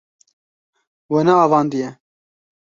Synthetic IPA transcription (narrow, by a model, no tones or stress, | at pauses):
wɛnɛɑːvɑːnd̪ijɛ